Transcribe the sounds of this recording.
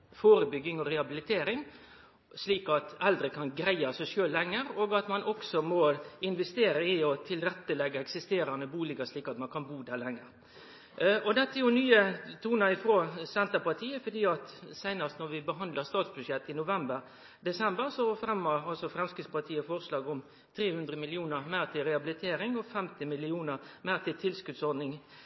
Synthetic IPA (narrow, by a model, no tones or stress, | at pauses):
foːɾəbʏɡːɪŋɔɾɛɑbɪlɪt̪ʰeːɾɪŋ | sliːkɑt̪ɛld̪ɾəkʰɑnɡɾæɪɑsæɪʂøːllːɛŋːəɾoːɡɑt̪mɑnʔɔksɔmɔɪnʋɛst̪eːɾəɪɔt̪ʰɪlɾɛt̪ːəlɛɡːəɛksɪst̪eːɾɑnəbuːlɪɡəʂɭiːkɑt̪mɑnkʰɑnbuːd̪æɾlɛŋːəɾ | ʔɔd̪ɛt̪ːəjʊnyːət̪ʰuːnɑɪfɾoːsɛnt̪əpɑt̪ʰiːəfɔd̪iːɑt̪sæɪnɑst̪nɔɾʋɪbəɦɑnd̪ləst̪ɑːt̪sbʉʂɛt̪ːɪnʊʋɛmbəɾ | d̪ɛsɛmbəɾsɔhɑfɾɛmːɑɑlsɔfɾɛmskɾɪspɑt̪ʰiːəfɔʁslɑːɡʊm | t̪ʰɾeːhʉnd̪ɾəmɪlɪuːnəʁmæːʁt̪ʰɪlɾɛɑbɪlɪt̪ʰeːɾɪŋɔfɛmt̪ɪmɪlɪuːnəɾmæɾt̪ʰɪlt̪ʰɪlskʉd̪sɔɾd̪nɪŋ